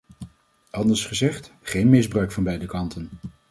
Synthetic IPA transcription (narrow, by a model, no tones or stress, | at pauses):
ʔɑndəɹsχəzɛχt | χejnmɪzbrœɥkfɑnbɛjdəkɑntən